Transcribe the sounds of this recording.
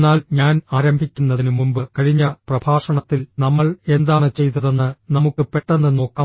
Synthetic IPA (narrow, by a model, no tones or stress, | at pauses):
nːaːlɲaːnaːɾɐmbʱikʲːunːɐðinɨmumbɨkɐɻiɲːɐprɐbʱaːʂɐɳɐt̪ːilnɐmːɐɭe̞nd̪aːɳɨt͡ɕe̞jt̪ːɐðenːɨnɐmukːɨpe̞ʈːenːɨno̞ːkːaː